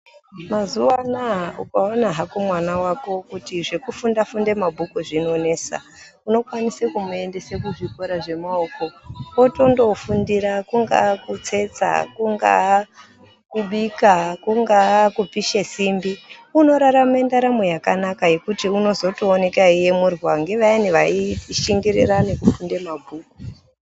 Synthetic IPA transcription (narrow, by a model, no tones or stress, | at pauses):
mazuwanaṵkaonaɦakomwanawako̞kutiʐe̞kufundafunde̞mabʱukuʐino̞ne̞ːsa̰ | uno̞kwanisekumue̞nde̞sekuʐiko̞ɾaʐe̞maoko̞oto̞ndo̞fundiɾakuŋɡa̰kut͡se̞t͡sa̰kuŋɡa̰ | kuɓikakuŋɡakupiʃesimbiuno̞ɾaɾamendaɾamejakanakaje̞kutiuno̞zo̞toːne̞kaije̞murwaŋɡe̞ʋajaniʋaiʃiŋɡirḭranekufunde̞mabʱuːku̥